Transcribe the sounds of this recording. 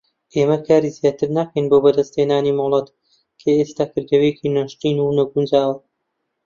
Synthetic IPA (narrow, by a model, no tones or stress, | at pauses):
ʔeːmɐkʰaːɾiːzijaːt̪ɨɾnakʰɐjnboːbɐd̪ɐst̪heːnaːniːmɐlˠɑt̪ | kʰɐest̪aːkɨɾɡɐwekiːnaʃt̪iːnunɐɡund͡ʒaːwɐ